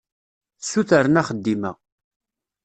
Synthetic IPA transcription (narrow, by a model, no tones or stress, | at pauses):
θsːuθəɾənæχəd̪ːimə̰